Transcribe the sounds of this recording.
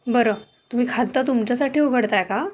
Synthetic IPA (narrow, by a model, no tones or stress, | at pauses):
bəɾə | t̪um̤iːkʰad̪̚ːat̪̬umt͡ɕjasaʈiːoɡʱəɽt̪ajka